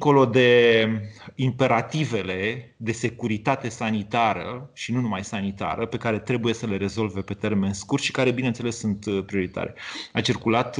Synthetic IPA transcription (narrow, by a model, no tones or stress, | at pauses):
ŋko̞lo̞d̪e̞ | impe̞ɾat̪ive̞le̞d̪e̞se̞kuɾit̪at̪e̞sanit̪aɾə̰ʃinunumajsanit̪a̰ɾəpe̞kaɾe̞t̪ɾe̞buje̞səle̞ɾe̞zo̞lve̞pe̞t̪e̞rme̞nskurt̪ʃi̥kaɾe̞binent̪selesːunt̪pɾio̞ɾit̪a̰ɾe̞̰at͡ʃirkulat̪